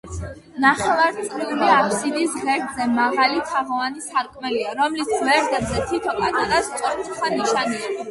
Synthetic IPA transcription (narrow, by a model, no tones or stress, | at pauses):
naχɛvaɾt̪sʼɾiuliapʰsid̪isʁɛɾt̪zɛmaʁalit̪ʰaʁɔanisaɾkʼmɛliaɾɔmlisʰvɛɾd̪ɛbzɛt̪ʰit̪ʰɔkʼananast̪ʼɔɾsʰuχaniʃania